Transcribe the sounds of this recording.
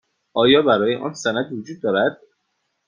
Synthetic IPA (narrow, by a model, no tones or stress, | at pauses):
ʔɒːjɒːbæɾɒːjeʔɒ̰ːnsænæd̪vod͡ʒuːd̪̚ːɒːɾæd̪̥̚